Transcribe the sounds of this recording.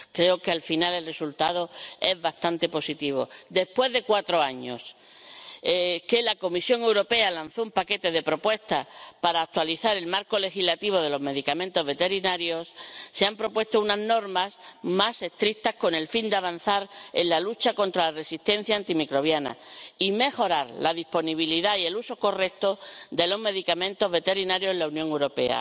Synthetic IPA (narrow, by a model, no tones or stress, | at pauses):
kɾe̞okealfinale̞lre̞sult̪að̞o̞e̞zβast̪ant̪e̞po̞sit̪iβ̞o̞̰d̪e̞pwe̞zðe̞kwat̪ɾo̞aɲo̞̰s | ke̞lako̞misjo̞ŋe̞wɾo̞pe̞alan̟θoumpake̞t̪e̞ðe̞pɾo̞pwe̞st̪apaɾaːk̚t̪waliθaɾe̞lmaɾko̞le̞xillat̪iβo̞ð̞e̞lo̞zme̞ðikamẽ̞nt̪o̞zβe̞t̪e̞ɾinaɾjo̞sːeampɾo̞pwe̞st̪ounazno̞ɾmasmase̞st̪ɾik̚t̪ahsko̞ne̞lfind̪eaβ̞an̟θaɾḛnlalut͡ʃako̞nt̪ɾalare̞sist̪ẽ̞n̟θjaːnt̪imikɾo̞β̞jana̰ime̞xo̞ɾaɾlaðispo̞niβ̞iliðaie̞luso̞ko̞re̞k̚t̪od̪e̞lozme̞ðikamẽnt̪o̞zβe̞t̪e̞ɾinaɾjoelaunjoŋewɾo̞pe̞̰a̰